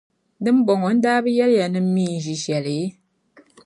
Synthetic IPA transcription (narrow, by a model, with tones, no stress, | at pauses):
dɨ˦m̩˦bɔ˨ŋɔ˨˦n̩˦daː˦bɨ˦jɛ˦ɾja˨nɨ˦m̩˦mi˦˨n̩˨d͡ʒi˨ʃjɛ˨le˨˦